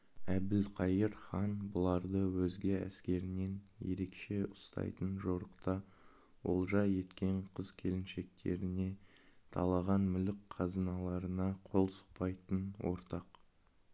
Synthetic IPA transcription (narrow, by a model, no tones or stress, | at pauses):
æbd̪ɪlqʰɑjəɾχɑnbʊlˠɑɾd̪əwɵzɡʲeæ̰skʲe̞ɾɪne̞nje̞̰ɾe̞kʃe̞ʊst̪ɑ̰jt̪ənʒoɾəqt̪ɑ | wo̞̰lˠʒɑje̞t̪kʲe̞ɴqʰəzkʲʰe̞lɪnʃe̞k̚t̪ʰe̞̰ɾɪne̞ | t̪ʰɑ̰lˠɑʁɑnmʏlɪkqʰɑzənɑlˠɑɾənɑqʰo̞lˠsə̥q̚pɑjt̪ənwo̞̰ɾt̪ɑq